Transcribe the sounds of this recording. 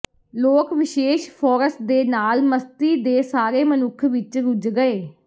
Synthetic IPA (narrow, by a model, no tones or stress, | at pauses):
loːkʋɪʃeːʃpʰɔːɾəsʈ̚d̪eːnaːlməst̪iːd̪eːsaːɾeːmənʊkʰʋɪt͡ʃɾʊd͡ʒɡəeː